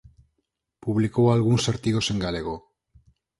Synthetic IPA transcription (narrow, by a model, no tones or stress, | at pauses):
puβlikoaːlɣunseɾt̪iɣo̞se̞ŋɡaleɣo